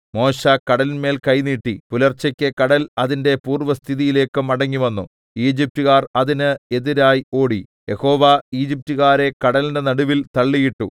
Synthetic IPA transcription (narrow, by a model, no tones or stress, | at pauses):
mo̞ːɕaːkɐɽɐlme̞ːlkɐjniːʈːipulɐrt͡ɕːɐkʲːɨkɐɽɐlɐðinde̞puːrʋɐst̪ʰiðijile̞ːkːɨmɐɽɐŋːiʋɐnːu | iːd͡ʑip̚tuɣaːrɐðinɨe̞ðiɾaːjo̞ːɽi | je̞ho̞ːʋaiːd͡ʑip̚tuɣaːɾe̞kɐɽɐlndenɐɽuʋilt̪ɐɭːijiʈːṵ